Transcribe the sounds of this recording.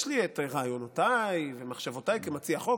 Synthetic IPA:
ʃlieteʁaːjonotajvemaχʃavotajkemat͡siaχo

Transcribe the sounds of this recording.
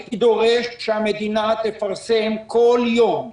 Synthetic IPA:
id̪o̞ʁeʃʃeamed̪inat̪efaʁsemkoljom

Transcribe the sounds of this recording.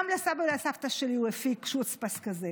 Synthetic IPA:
mlasabalasaft̪aʃeliuefikʃut͡spaskaze

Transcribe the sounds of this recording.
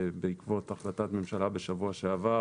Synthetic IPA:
beikvo̞taχlatatmemʃalabe̞ʃavuaʃeava

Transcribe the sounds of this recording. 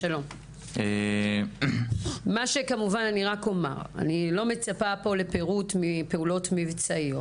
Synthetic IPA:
ʃalo̞m | e | maʃe̞kamuvananiʁako̞ma̰ʁa̰nilo̞me̞t͡sapapo̞le̞peʁutmipe̞ulo̞tmivt͡saio

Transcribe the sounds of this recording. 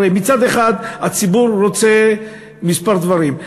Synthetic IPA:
ejmit͡sad̪eχad̪at͡sibuɾːo̞t͡se̞ | mispaʁd̪vaʁim

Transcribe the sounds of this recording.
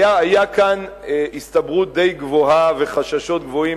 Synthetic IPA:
aajakan | ist̪abʁut̪̚d̪e̞jɡvohave̞χaʃaʃo̞t̪̚ɡvo̞i

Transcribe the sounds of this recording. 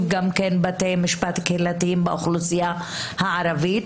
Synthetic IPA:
ɡamkenbatejmiʃpat̪kelat̪iimbeʔoχlusija | haʕaɾavit̪

